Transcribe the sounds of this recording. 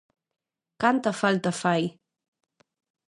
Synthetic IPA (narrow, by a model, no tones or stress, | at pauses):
kant̪əfalt̪əfaj